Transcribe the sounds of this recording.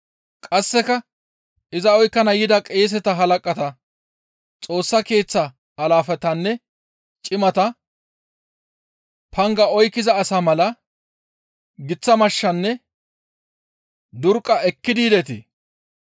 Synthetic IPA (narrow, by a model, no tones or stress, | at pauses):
kʼɐsːɛkɐ | ɪzɐɔjkːɐnɐjɪd̪ɐkʼe̞ːs̬ɛt̪ɐɦɐlɐkʼɐt̪ɐ | t͡sʼo̞ːsːɐke̞ːt͡sːɐː | laːfɛt̪ɐnːɛ | t͡ʃʼɪmɐt̪ɐ | pʰɐŋɡɐɔjkːɪzɐːsamɐlɐ | ɡɪt͡sːɐmɐʃːɐnːɛ | d̪ʊɾkʼːɐʔɛkːɪd̪iːd̪ɛt̪ḛ